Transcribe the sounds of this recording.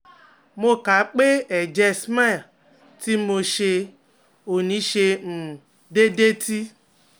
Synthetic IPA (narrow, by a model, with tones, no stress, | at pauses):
mo˦ka˨˦k͡pe˦ɛ˨d͡ʒɛ˧sma˦˨ | ti˦mo˧ʃe˧ | o˨nĩ˨˦ʃe˧m̩˨ | de˦de˦tʰi˦